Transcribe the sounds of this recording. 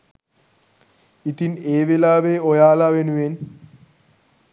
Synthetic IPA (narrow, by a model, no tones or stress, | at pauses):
it̪ineːʋelaːʋeojaːlaʋenuen